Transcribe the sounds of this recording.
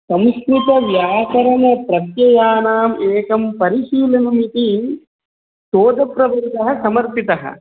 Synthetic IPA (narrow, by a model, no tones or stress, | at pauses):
sɐmskɾit̪ɐʋjaːkɐɾɐnɐpɾɐt̪jɐjaːnaːmeːkɐmpɐɾiʃiːlɐnumit̪i | soːd̪ɐpɾɐbɐnd̪ɐɦɐ̆sɐmɐɾpit̪ɐɦɐ̰